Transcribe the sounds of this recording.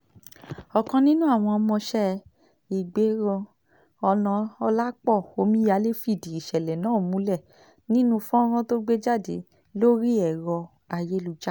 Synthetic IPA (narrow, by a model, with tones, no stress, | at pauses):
ɔ˨kɔ̃˧nĩ˦nũ˦a˦˨w̃ɔ̃˧ɔ˧mɔ̃˧ʃɛ˦˨ | i˨ɡ͡be˨˦ɾɔ̃˧ | ɔ˧lɔ̃˧ɔ˧la˦k͡pɔ˦˨o˧mĩ˦ja˨˦le˦fi˦˨di˨i˨ʃɛ˨lɛ˨nã˨˦˨mũ˨˦lɛ˦˨ | nĩ˦nũ˦fɔ̃˦ɾ̃ɔ̃˦to˦ɡ͡be˦d͡ʒa˦˨dḛ˨˦ | lo˦ɾi˦ɛ˦˨ɾɔ˧ | a˧je˦lu˧˨d͡ʒa˦